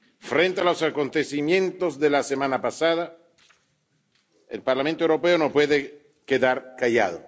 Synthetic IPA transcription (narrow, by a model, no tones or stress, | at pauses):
fɾent̪ealosakont̪esimjẽnt̪ozðelasemãnapasaða | ḛlpaɾlamẽnt̪oewɾopeonopweðe | keðaɾkaʝa̰ðo̰